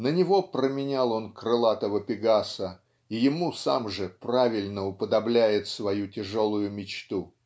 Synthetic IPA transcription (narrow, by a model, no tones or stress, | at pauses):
nənʲɪvo̞pɾəmʲɪnʲalˠo̞nkɾɨlˠat̪əvəpʲɪɡasə | ijɪmusa̰mʐɨpɾavʲɪlʲnəʊpəd̪ɐblʲæjɪt̪svɐjutʲɪʐo̞lˠʊjʊmʲɪt͡ɕt̪u